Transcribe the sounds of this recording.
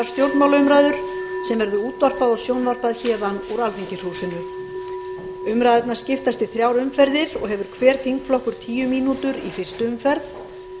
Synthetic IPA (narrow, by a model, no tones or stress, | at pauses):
aɾ̥st̪jowɾt̪nmawlaʏmɾajðʏɾ̥sɛmvɛɾðʏuːt̪var̥paðɔɣsjownvar̥paðçɛːðanɔɣɾalθiɲcɪshuːsʏnʏ | ʏmɾaːðɛt̪naɾ̥scɪft̪ast̪ɪθɾjawɾʏmfɛɾðɪɾɔ̰ɣɦɛvʏɾ̥kʰvɛːɾθhiŋkflɔhkʏɾ̥t̪ʰiːjʏmiːnut̪ʏɾḭfɪr̥st̪ʏʏmfɛɾθ